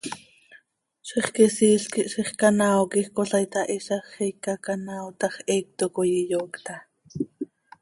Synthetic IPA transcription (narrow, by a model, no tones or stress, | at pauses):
ʃiχkisiːɬkiʔʃiχkanaːwkixkoɬajt̪ɑʔiʃɑχɛjkːɑkanawt̪ɑχʔɛːk̚t̪okojijoːkt̪ɑ